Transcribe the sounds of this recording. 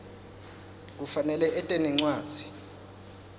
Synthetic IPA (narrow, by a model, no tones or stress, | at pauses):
k̬ufanɛlɛʔɛtʼɛnɛŋ͡ǀwḁːz̥ʱi̥